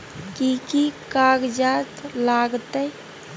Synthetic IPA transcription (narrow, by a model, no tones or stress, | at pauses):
kikikaːɡd͡ʒaːt̪laːɡt̪əj